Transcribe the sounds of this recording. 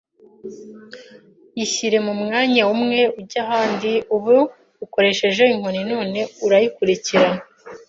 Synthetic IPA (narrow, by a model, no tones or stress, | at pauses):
jiçiɾe̞mumŋaːɲawumŋe̞uɾɟaɦaːndiuβo | uko̞ɾe̞ʃe̞ʒeiŋ̥o̞nino̞ːne̞uɾajikuɾiciɾa